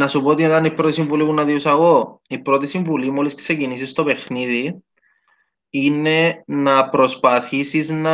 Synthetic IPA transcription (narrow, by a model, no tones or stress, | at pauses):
nɐsupoot̪inet̪ɐnipɾot̪isiɱvulipunɐðiusɐɣo̞ipɾo̞t̪isiɱvulimoliskse̞cinisist̪o̞pe̞xniði | ine̞nɐpɾo̞spɐθisiznɐ